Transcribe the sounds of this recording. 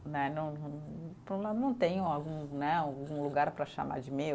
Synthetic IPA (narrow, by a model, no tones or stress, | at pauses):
nɛnɐ̃w̃ñpõnɐ̃w̃t̪ẽɲʊ̃awɡũnɛawɡũluɡaɾpɾɐʃa̰ma̰d͡ʒɪmew